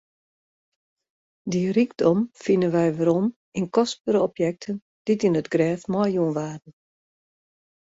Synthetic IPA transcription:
diriɡdɔmfinənʋɛjʋəɾɔm | inkɔspəɾəɔpjɛk̚tʰən | d̥itinətɡrɛːfmɔjjuənʋaːdən̩

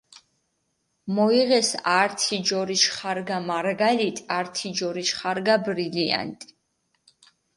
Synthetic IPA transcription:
mɔiʁɛsaɾt̪ʰid͡ʒɔɾiʃχaɾɡamaɾɡalit̪ʼaɾt̪ʰid͡ʒɔɾiʃχaɾɡabɾilia̰nt̪ʼi̥

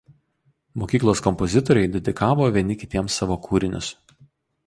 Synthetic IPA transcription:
moːkʲiːklˠoːskɔmpɔzʲɪt̪ɔɾʲɛɪd̪ʲɛd̪ʲɪkʰɑːʋoːʋʲiɛnʲɪkʲɪt̪ʲiɛmsːɑːʋoːkʰuːɾʲɪnʲʊ̰s

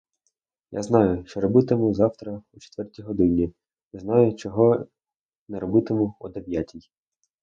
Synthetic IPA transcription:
ja̰znɑjʊʃt͡ʃɔɾɔbɪt̪ɪmʊzɑwt̪ɾɐut͡ʃe̥t̪ʋɛrtʲijɦɔd̪ɪnʲi | nɪznɑjʊt͡ʃɔɦɔ | nɛɾɔbɪt̪ɪmʊɔd̪eʋʲjatʲij

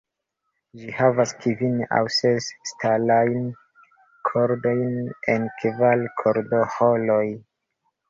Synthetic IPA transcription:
d͡ʒihavaskivina̰wsesːtalajn | kʰoɾdo̞jnenkvalkʰoɾdoholoj

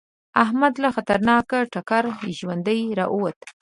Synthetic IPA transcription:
ahmad̪laxat̪aɾnɑkaʈakaɾʒwand̪əjɾɑʔəwat̪

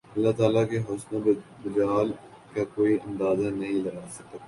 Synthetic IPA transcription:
ɐlːat̪aːlakeɦʊsnõbɪd͡ʒaːl | kakoːiʔɐ̃nd̪aːzanɐɦĩlɐɡaːsɐk̪̚ː

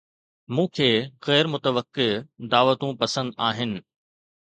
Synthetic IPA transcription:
mũːkʰeːɣɛːɾmʊt̪əʋəkːed̪aːʋət̪ũpɐsə̃nd̪aːɦɪnɪ̆

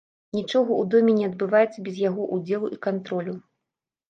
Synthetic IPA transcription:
nʲit͡ʂɔɣɐʔud̪ɔmʲɛnʲɛɐd̪̚bɨvajɛt̪sːɐbʲɛzjaɣɔʔud͡zʲɛlˠuʔikant̪ɾɔlʲu

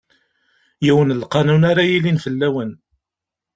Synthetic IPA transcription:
jiwənlqɑnunaɾajilinfəlːæwən

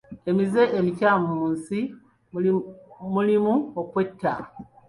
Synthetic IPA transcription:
e̞mize̞ʔelicamumuːnsi | mulimuokwe̞tːa̰

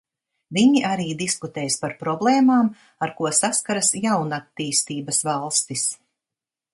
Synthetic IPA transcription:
viɲiʔaɾiːd̪iskut̪eːjspaɾpɾɔblˠeːmaːm | aɾkuɔsaskaɾasjawnat̪ːiːst̪iːbasvɑlˠst̪is

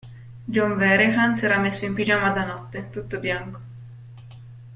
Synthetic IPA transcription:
d͡ʒɔɱvɛɾehansɛːɾamesːoimpid͡ʒamad̪anɔt̪ːet̪ut̪ːobjaŋko̥

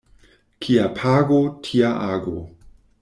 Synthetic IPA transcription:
kʰiapʰaːɡotʰiaʔaːɡo̰

